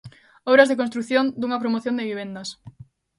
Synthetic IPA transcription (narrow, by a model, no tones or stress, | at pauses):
oβɾɐzðek̬onst̪ɾuθjõnd̪uŋɐpɾomoθjond̪eβiβ̞end̪ɐs